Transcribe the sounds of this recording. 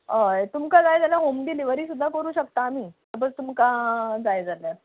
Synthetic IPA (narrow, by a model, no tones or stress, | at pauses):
ɦəjt̪umkad͡zajd͡zaljaɦomd̪iliːʋəɾiːsud̪ʱːakəɾuːɕəkt̪aːm̤iːt̪əbət͡st̪umkad͡zajd͡zaljaɾ